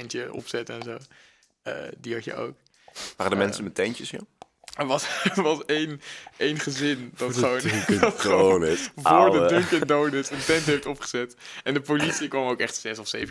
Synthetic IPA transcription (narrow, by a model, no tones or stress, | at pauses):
ɛntəɔ̰psɛtəɛnzow | ə̰ːdiɦɑt͡ʃə̰ʔo̰wk | ʋaːɾədəmɛnsənmɛtɛnt͡ʃəsja̰ | əʋɑsʋɑsejnʔejnχəzɪndɑtχəʋowntχonəvʊːɹədəŋkɛnndownətəntɛntɦejftɔpχə̥zɛtɛndəpolitsikʋɑmowkɛχtsɛsɔfsejv